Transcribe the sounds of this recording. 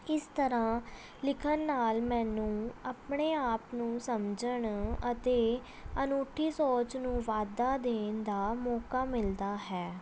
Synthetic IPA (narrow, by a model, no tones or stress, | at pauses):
ɪst̪əɾãː | lɪkʰənːaːlmɛ̃ːnũːaːpɳeːaːpnũːsəmd͡ʒəɳət̪eː | ənoːʈʰiːsoːt͡ʃnũːʋaːd̪aːd̪eːnd̪aːmɔːkaːmɪld̪aːɦɛː